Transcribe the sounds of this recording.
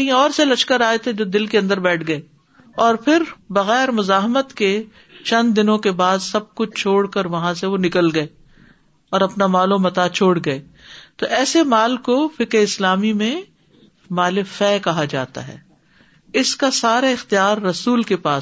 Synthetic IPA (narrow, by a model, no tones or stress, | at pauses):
kɦĩɔːɾselɐʃkəɾaːet̪ʰed͡ʒoːd̪ɪlkeɐ̃nd̪əɾbɛːʈʰɡɐeː | ɔːɾpʰɪɾbɐɣɛːɾmʊzaːɦmət̪ke | t͡ʃɐ̃nd̪d̪ɪnõkebaːd̪sɐb̚kʊt͡ʃʰt͡ʃʰoːɽkəɾʋɐɦãseʋonɪkəlɡɐeː | ɔːɾɐpnamaːlõmɐt̪aːt͡ʃʰoːɽɡɐeː | t̪oʔɛːsemaːlkofɪkɾeɪslaːmimẽ | maːlefɛːkɐɦad͡ʒa̰ːt̪a̰ɦɛ̰ː | ɪskasaːɾaɪxt̪ijaːɾːɐsuːlkepaː